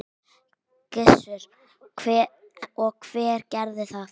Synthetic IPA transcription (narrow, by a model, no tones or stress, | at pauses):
kɪsʏɾ̥ | kʰvɛ | ɔɣkʰv̥ɛːɾ̥cɛɾðɪθa